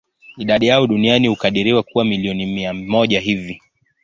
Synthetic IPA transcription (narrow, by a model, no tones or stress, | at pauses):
iɗaɗijaɔɗunianihukaɗiɾiwakuwamiliɔnimiamɔʄaɦivi